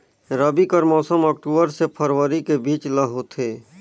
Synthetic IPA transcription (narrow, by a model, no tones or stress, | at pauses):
ɾəbikəɾmɔːsəmɔːk̚ʈuːbəɾsepʰəɾwəɾikebiːt͡ʃləɦot̪ʰeː